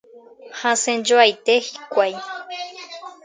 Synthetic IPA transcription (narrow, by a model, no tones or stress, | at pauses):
hãsend͡ʒoajt̪ehi̥kʷaj